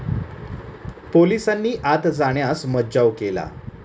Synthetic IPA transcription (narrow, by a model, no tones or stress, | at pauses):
polisanːiːʔat̪d͡zaɳjasməd͡ʑaʋkela̰